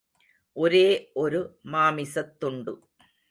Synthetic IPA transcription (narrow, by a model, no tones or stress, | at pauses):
ʔɔɾeːʔɔɾɯmaːmɪsɐt̪ːʊɳɖɯ̰